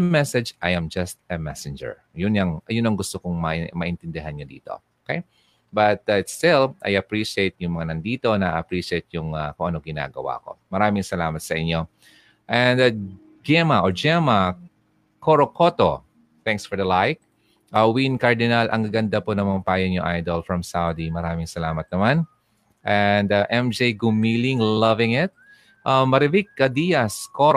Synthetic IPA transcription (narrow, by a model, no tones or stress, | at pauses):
mɛsɛd͡ʒʔajɐmd͡ʒɐst̪ɐmɛsɛnd͡ʒɛ̰ɹ | jʊnjɐŋɐjʊnɐŋɡʊst̪okoŋmɐmɐʔɪnt̪ɪnd̪ɪɦanɲod̪ḭːt̪o̞̰okej | bɐt̪aɪt̪st̪ɪlʔɐ̰jɐpɹiʃiejt̪̚jʊŋmɐŋanɐnd̪iːt̪o̞nɐʔɐpɹiːʃejt̪̚jʊŋakʊŋʔɐno̞ɡɪna̰ːɡɐwa̰ko̞̰mɐɾaːmɪŋsɐlaːmɐt̪sɐʔɪɲo̞ | ʔɛ̃nd̪ɐ | d͡ʒɛmɐʔod͡ʒɛmɐ | koɾokʰot̪o | θɛ̃ŋksfɔɹd̪ɐlajk̚ | ʔɐwinkɐɹd̪ɪnalʔɐŋɡɐɡɐnd̪aponɐŋmɐŋapaːjɐnjoʔajd̪olfɹɐmsawd̪imɐɾaːmɪŋsɐlaːmɐt̪̚nɐman | ʔɛnd̪ɐʔɛmd͡ʒejɡʊmiːlɪŋlɐvɪŋɪt̪̚ | ʔamːɐɾɛvik̚ːɐd̪ijɐsko